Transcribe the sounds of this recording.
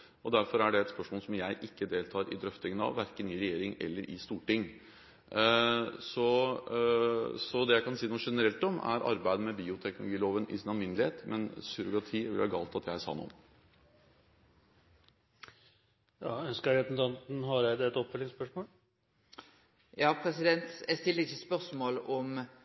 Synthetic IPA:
ɔd̪æɾfɔɾæɖɛɛt̪spœʂmoːlsɔmjæɪʔɪkːəd̪eːlt̪ʰɑːɾɪ̰d̪ɾœft̪ɪŋənɑ̰ʋːæɾkənɪɾɛjeːɾɪŋɛ̰lːəɾʔɪ̰st̪uːʈɪŋː | sɔ | sɔd̪ɛjæɪkɑnsiːnuːʂɛnəɾɛlt̪ɔmæ̰ɾʔɑ̰ɾbæɪd̪əmɛbiːʊt̪ʰɛknʊlʊɡiːloːʋənɪ̰sɪnɑlmɪnlɪheːt̪mʔɛnsʏɾʊɡɑt̪ʰiːʋɪ̰lhɑɡɑ̰ːlt̪ɑt̪jæɪæsɑ̰ːnːṵːm | jɑːœnskəɾɛsʊnt̪ʰɑnt̪n̩hɑɾjæɪd̪ɛɛt̪ɔpːɛlɪnspœʂmoːl | jɑːpʰɾɛsɪd̪ɛnt̪jæst̪ɪlːəɾɪçəspœʁsmoːlɔm

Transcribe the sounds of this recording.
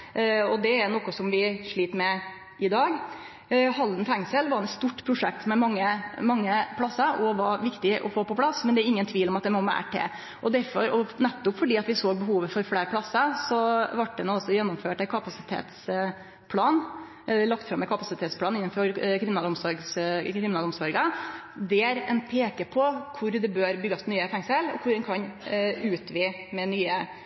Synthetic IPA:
ɔd̪ɛæɾnɔkɔsɔmʋɪʂɭiːt̪əmɛ | ʔɪd̪ɑːɡ | hɑld̪n̩fɛŋsəlʋɑɾɛt̪st̪uʈːpʰɾʊʂɛk̚t̪mɛmɑŋːəmɑŋːəpʰlɑsːəɾɔʋɑɾʋɪkt̪ɪʔɔ̰foːpɔpʰlɑsmɛnd̪ɛæɾɪŋːənt̪ʰʋiːlɔmɑt̪̚d̪ɛmɔmæ̰ʈʰːḛː | ʔɔd̪æɾfɔɾɔnɛt̪ːɔpfɔɖiːɑt̪ʋɪsoːɡ̚bəɦuːʋəfɔɾfleːɾpʰlɑsːəsɔʋɑʈ̚ːd̪ɛnuːɑsːɔjɛnːɔmføːʈæɪkʰɑpɑsɪt̪ʰḛːt̪s | pʰlɑːn | ɛlɑkt̪fɾɑmːɛkʰɑpɑsɪt̪ʰeːt̪spʰlɑːnɪnːɑnfɔɾkʰɾɪmnɑːlɔmsɔɾɡskɾɪmɪnɑlɔmsɔɾɡə | d̪ɛæɾɛ̰npʰeːkəpʰɔkʰʊɾd̪ɛbøːɾbʏɡːɑsnyːəfɛŋsəlɔ̰kʰʊɾɛnkʰɑnʉːt̪ʋɪ | mɛnyːə

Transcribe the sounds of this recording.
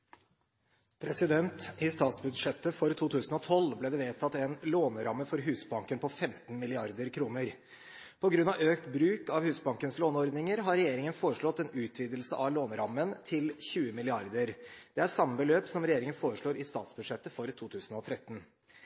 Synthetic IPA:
pʰɾɛsɪd̪ɛnt̪ɪst̪ɑːt̪sbʉd̪ʂɛt̪ːəfɔɾt̪ʰuːt̪ʰʉːsən̩ɔt̪ʰɔlblɛːd̪ɛʋeːt̪ʰɑt̪ːɛnloːnɾɑmːəfɔɾɦʉːsbɑŋkənpʰɔfɛmt̪nmɪlɪɑɾd̪əɾkʰɾuːnəɾ | pʰɔɡɾʉnːɑʋøːkt̪bɾʉːkɑʋhʉːsbɑŋkənsloːnɔɾd̪nɪŋəɾɦɑɾɛjeːɾɪŋənfoːɾəʂɭɔt̪ːɛnʉːt̪ʰʋiːd̪əlsəʔɑʋloːnɾɑmːənt̪ʰɪlçʉːəmɪlɪɑɾd̪əɾd̪̥ɛæɾsɑmːəbəløːpsɔmɾɛjeːɾɪŋənfoːɾəʂɭoːɾʔɪst̪ɑ̰ːt̪sbʉd̪ʂɛt̪ːəfɔɾt̪ʰuːt̪ʰʉːsən̩ɔt̪ʰɾɛt̪ːn̩

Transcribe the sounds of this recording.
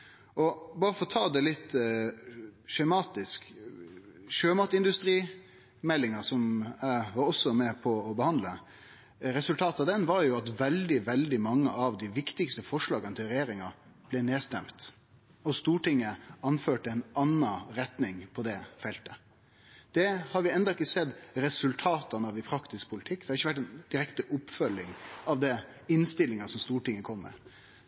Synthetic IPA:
ɔbɑːɾəfɔɾɔt̪ʰɑːd̪ɛlɪt̪ː | ʃɛmɑːt̪ɪsk | ʃøːmɑt̪ɪnd̪ʉst̪ɾiː | mɛlːɪŋɑsɔmæɪʋɑɾɔsːɔmɛpʰɔɔbəhɑnd̪lə | ɾɛsʉlt̪ʰɑːt̪ɑd̪ɛnʋɑɾjʊɑt̪ʋɛld̪ɪʋɛld̪ɪmɑŋːəʔɑʋd̪ɪʋɪkt̪ɪkst̪əfɔʂɭɑːɡənət̪ʰɪlɾɛjeːɾɪŋɑ | b̥lɛneːst̪ɛmt̪ | ɔst̪uːʈɪŋːəɑnføːʈəɛɪnɑnːɑɾɛt̪nɪŋpʰɔd̪ɛfɛlt̪ə | d̪̥ɛhɑɾʋɪɛnd̪ɑɪkːəsɛd̪ɾɛsʉlt̪ʰɑːt̪ɑnəɑʋɪpʰɾɑkt̪ɪsk̚pʰʊlɪt̪ʰɪkːd̪ɛhɑɾɪçəʋæʈ̬ːɛnd̪̥ɪɾɛkt̪əʔʊpːfœlːɪŋɑʋd̪ɛ | ɪnst̪ɪlːɪŋɑsɔmst̪uːʈɪŋːəkʰɔmːɛ̰

